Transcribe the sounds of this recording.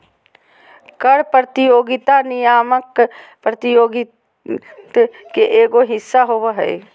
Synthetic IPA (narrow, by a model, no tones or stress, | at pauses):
kəɽpɾət̪ɪjoːɡɪt̪anɪjaːməkpɾət̪ɪjoːɡɪ | t̪keʔeːɡoɦɪsːaɦoːʋəɦɛ̰ḛ